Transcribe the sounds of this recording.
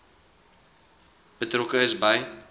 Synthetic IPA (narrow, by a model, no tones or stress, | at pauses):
b̥ətrokəəsbəj